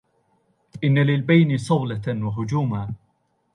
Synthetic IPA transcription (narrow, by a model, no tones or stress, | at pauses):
ʔɪnːalɪlbajnɪsˤɑwlawaɦʊd͡ʒuːmaː